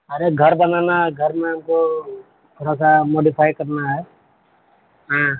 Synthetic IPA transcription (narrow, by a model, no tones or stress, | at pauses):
aɾeɡʱʌɾbananaɡʱʌɾmemko | bʱɾɔsamoɖipʰajkəɾnaɦɛ | ɦã